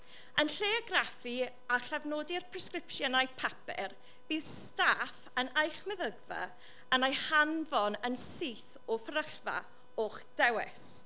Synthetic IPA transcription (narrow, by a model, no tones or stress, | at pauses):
ənɬeɔɡrafi | aɬavnoːdɪrpʰrɛskrɪpʃjɔnajpʰapɛ̰r | v̥iːðstafənajχmɛðəɡvə̰ | ənajhanvɔnənsiθ | ɔfəɾəɬva̰ | oχd̥ɛwɛ̰s